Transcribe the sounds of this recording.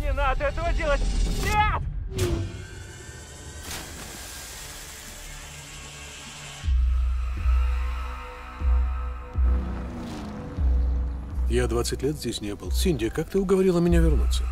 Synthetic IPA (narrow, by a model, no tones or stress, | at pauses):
nʲɪnad̪əɛt̪əvədʲelˠətʲnʲet̪ | jad̪vat̪sɨtʲlʲet̪zʲdʲesʲnʲebɨlˠsʲinʲdʲɪəkak̚t̪ɨʊɡəvɐɾʲilˠəmʲɪnʲavʲɪrnut̪sːə